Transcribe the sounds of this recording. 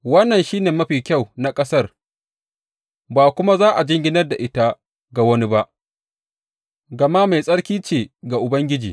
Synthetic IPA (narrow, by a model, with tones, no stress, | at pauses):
wɐ˦nːɐ˨nʃiː˦neː˨mɐ˦ɸiː˨kʲa˦˨wna˨kʼɐ˦sɐ˦r | baː˨kʷʊ˦ma˦zaː˦ʔa˨d͡ʒɪ˦ŋɡʲɪ˦nɐ˦rda˨ʔɪ˦ta˦ | ɡa˨wɐ˦ni˦ba˦ʔ | ɡa˨ma˦ma˨jsʼɐ˦ɽkʲiː˦t͡ʃeː˨ɡa˨ʔʊ˨bɐ˦ŋɡʲɪ˦d͡ʒḭː˨